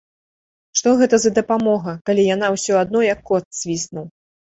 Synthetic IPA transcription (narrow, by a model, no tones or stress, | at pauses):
ʂt̪ɔɣɛt̪ɐzɐd̪ɐpamɔɣɐkalʲijanawsʲɔad̪nɔjɐkːɔt̪sʲvʲisnuw